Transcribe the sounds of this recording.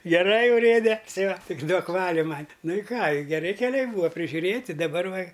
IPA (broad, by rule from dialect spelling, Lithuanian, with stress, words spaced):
ɡʲɛˈrɐɪ ʊˈrʲeːdʲɛ tʲɪ ʋɐ ˈtʲɪk ˈduɔk ˈʋɑːlʲʊ ˈmɐnʲ ˈnʊ ɪ ˈkɑː ɪ ɡʲɛˈrʲɪ kʲɛˈlʲɛɪ ˈbuːɐ pʲrʲɪʒʲʊˈrʲeːtʲɪ dɐˈbɐr ˈʋɐ